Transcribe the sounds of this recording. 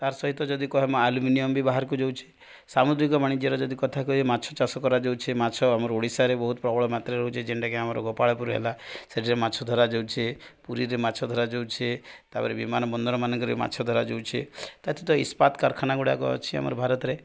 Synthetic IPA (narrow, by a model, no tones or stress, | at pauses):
t̪aɾsɔɦit̪ːɔd͡ʒɔd̪ikɔɦemɔaluminijɔmbʱibaɦaɾkud͡ʒowt͡ʃʰe̥ | samud̪ɾikɔmaɽ̃it̪iɔɾɔd͡ʒɔd̪ikɔt̪ʰakuemat͡ʃʰɔt͡ʃasɔkɔɾad͡ʒowt͡ʃʰemat͡ʃʰɔamɔɾɔoɽisaɾebɔɦut̪ɔpɾɔbʱɔɭɔmat̪ɾeɾɔɦut͡ʃʰed͡ʒeɳʈakeamɔɾɔ̰ɡɔpaɭɔpuɾɦḛlaseʈʰiɾemat͡ʃʰɔd̪ʱɔɾad͡ʒowt͡ʃʰepuɾiɾemat͡ʃʰɔd̪ʱɔɾad͡ʒowt͡ʃʰet̪apɔɾebimanɔbɔnd̪ɔɾɔmanɔ̃ŋkɔɾema̰t͡ʃʰɔd̪ʱɔɾad͡ʒowt͡ʃʰet̪at̪ʰit̪ɔispat̪kaɾkʰanaɡuɽa̰ɡɔ̰t͡ʃʰia̰mɔ̰ɾɔbʱaɾɔt̪ɾe